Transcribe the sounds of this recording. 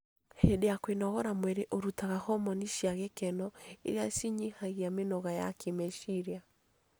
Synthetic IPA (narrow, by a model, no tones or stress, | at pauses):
hedejakwenɔɣɔɾamwɛɾeʔoɾutaɣahɔmɔniʃjaɣekɛnɔḛɾeasiɲihaɣiamenɔɣaja̰kʰemeʃiɾja